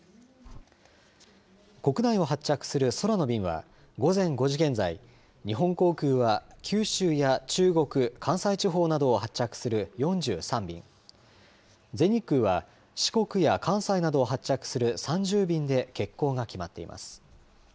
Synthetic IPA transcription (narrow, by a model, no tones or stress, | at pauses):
ko̞kɯ̟naio̞ɦat͡ɕːakɯ̟̥sɨɾɯ̟so̞ɾano̞bʲĩɰ̃βa̰ | ɡo̞zẽ̞ŋɡo̞ʑiɡẽ̞nzai | ɲ̟iɦõ̞ŋko̞ːkɯ̟ːβakʲʰɨːɕɨːjat͡ɕɨːɡo̞kɯ̟kʰãɰ̃sait͡ɕiɦo̞ːnad̪o̞ːhat͡ɕt͡ɕːakɯ̟̥sɨɾɯ̟jõ̞ɲ̟d͡ʑɨ̰ːsãmbʲḭ̃ŋ | d͡ze̞ɲ̟ikːɯ̟ːβa | ɕi̥ko̞kɯ̟jakʰãɰ̃sainad̪o̞ːɦat͡ɕt͡ɕːakɯ̥sɨɾɯ̟sãɲ̟d͡ʑɨːbʲĩnd̪e̞ke̞kːo̞ːɡakʲimat̪ːe̞ḭmʔa̰sɨ̥